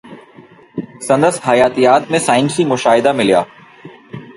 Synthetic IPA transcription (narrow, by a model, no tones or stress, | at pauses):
sɐ̃nd̪əsɦɐjaːt̪ijaːt̪mẽsaːɪnsimʊʃaːɦɪd̪amɪljaː